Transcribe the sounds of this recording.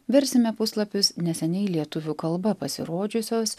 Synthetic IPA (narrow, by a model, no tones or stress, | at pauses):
ʋʲɛɾʲsʲɪmʲɛpʊslˠɐpʲʊsnʲɛsʲɛnʲɛɪlʲiɛt̪ʊʋʲʊkɐlˠbɐpɐsʲɪ̰ɾoːd͡ʒʲʊsʲoːs